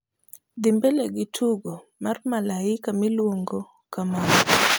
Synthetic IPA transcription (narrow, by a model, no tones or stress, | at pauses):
d̪ɪmbeleɡɪtʰuɡo | marmalaɪkamilwoŋɡo | kaman